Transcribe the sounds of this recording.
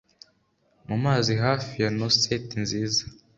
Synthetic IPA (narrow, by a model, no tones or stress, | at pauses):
mumaːziɦaːfijanosetinziːza